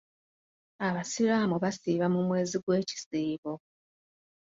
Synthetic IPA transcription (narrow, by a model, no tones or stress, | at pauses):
aβasiɾaːmuβasiːβamumwe̞ːziɡwe̞ːci̥siːβo